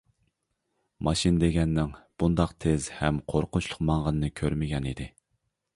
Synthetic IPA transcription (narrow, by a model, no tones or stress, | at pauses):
mɑʃind̪eɡʲɛnːɪŋb̥und̪ɑqt̪ʰez̥hɛmqʰoɾqʊt͡ʃʰlˠʊqmɑŋʁɑnɨnɨkʲʰøɾmɪɡʲɛnid̪ɪ